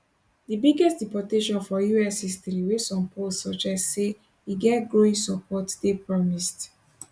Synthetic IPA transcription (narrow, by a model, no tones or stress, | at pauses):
dibiɡɛstdipɔteʃɔ̃nfɔjuɛshistɹiwesɔ̃mpʰolsɔd͡ʒɛstse | iɡɛtɡɹoĩnsɔpɔtdepɹɔmist